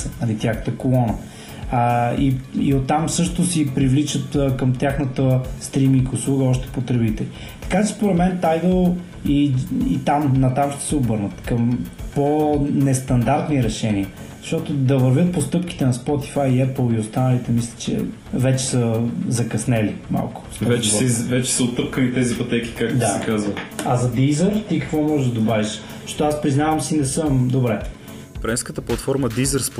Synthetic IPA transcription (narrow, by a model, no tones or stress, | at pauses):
nɐlit̪jaxnət̪əkolˠɔnə | iiot̪ːamsɤʃt̪ʊsipɾivlit͡ʃət̪ːkəmt̪ʲjaxnət̪əst̪ɾimiŋkʊslˠuɡəɔʃt̪ɛ̥pot̪ɾɛbit̪ɛli | t̪ɐ̥kat͡ʃɛ̥spoɾɛt̪mɛnt̪ajd̪əlˠ | iit̪amnɐt̪amʃt̪ɛ̥sɛobɤɾnət̪kəmponɛst̪ɐnd̪aɾt̪niɾɛʃɛniə | zɐʃt̪ɔt̪ʊd̪ɐvɐɾvʲət̪̚post̪ɤpk̟i̥t̪ɛnɐspɔt̪i̥fajːɛplˠiost̪anəlit̪ɛmislʲit͡ʃɛ̰ | vɛt͡ʃɛ̥səzɐkɐsnɛlima̰lˠkʊ̥svɛt͡ʃɛvɛt͡ʃɛ̥səot̪ːɤp̚kəlit̪ɛzipɐt̪ɛkʲi̥kak̚td̪sakazvəɐzɐd̪izəɾt̪ikəkvɔmɔʒɛʒd̪ɐd̪obaviʃ | ztɔt̪oaspɾiznavɐmsinɛsəmd̪obɾɛ | fɾɛnskət̪əplˠɐt̪fɔɾməd̪izəɾsp